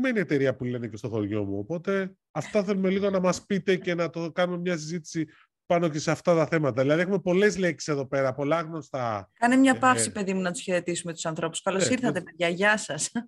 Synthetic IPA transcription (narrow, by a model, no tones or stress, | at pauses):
meniet̪e̞ɾiɐpule̞nece̞st̪o̞xo̞ɾʝo̞muo̞po̞t̪e̞ | ɐft̪ɐθe̞lume̞liɣo̞nɐmɐspit̪e̞ce̞nɐt̪o̞kɐnume̞mɲɐs̬izit̪i̥si | pɐno̞ce̞seɐft̪ɐt̪ɐθe̞mɐt̪ɐðilɐðie̞xume̞po̞le̞zle̞ksi̥se̞ðope̞ɾɐpo̞lɐɣno̞st̪ɐkɐnemɲɐpɐfsipe̞ðimunɐt̪u̥sçe̞ɾet̪isumet̪u̥sɐnθɾo̞pu̥skɐlosiɾθɐt̪emeɾʝɐʝɐsɐs